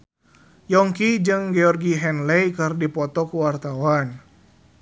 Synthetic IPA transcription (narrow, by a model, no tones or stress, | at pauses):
jɔŋkid͡ʒɨŋɡɛɔrɡiɦɛnlɛjkɨrdipɔt̪ɔkuwart̪awan